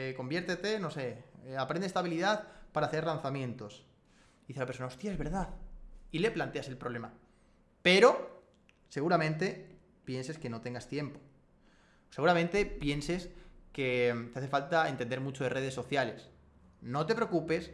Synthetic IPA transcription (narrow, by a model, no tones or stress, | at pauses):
eko̞mbje̞ɾt̪et̪e̞no̞se̞apɾend̪est̪aβiliðaðpaɾaːθe̞ɾlanθamjẽ̞nt̪o̞s | ðiθelapeɾsonao̞st̪jaezβe̞ɾðaðile̞plant̪e̞ase̞lpɾole̞ma | pe̞ɾo̞ | se̞ɣuɾamẽ̞nt̪̬e̞ | pjense̞ske̞no̞t̪eŋɡast̪je̞mpo̞̥ | se̞ɣuɾamẽnt̪e̞pje̞nse̞sket̪eaθe̞falt̪ae̞nt̪end̪eɾmut͡ʃoðere̞ð̞e̞sːo̞θjale̞s | no̞t̪e̞pɾeo̞kupe̞s